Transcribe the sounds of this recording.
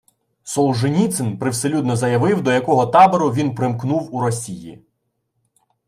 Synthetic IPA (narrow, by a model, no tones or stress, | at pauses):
sɔlˠʒɪnʲit̪sɪnpɾɪwselʲud̪nɔzɐjɐʋɪwd̪ɔjɐkɔɦɔt̪ɑbɔɾʊʋʲinpɾɪmknuwuɾɔsʲijḭ